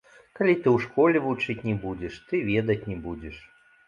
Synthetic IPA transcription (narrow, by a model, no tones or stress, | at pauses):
kalʲit̪ɨwʂkɔlʲɛvut͡ʂɨt͡sʲnʲɛbud͡zʲɛʂt̪ɨvʲɛd̪ɐt͡sʲnʲɛbud͡zʲɛʂ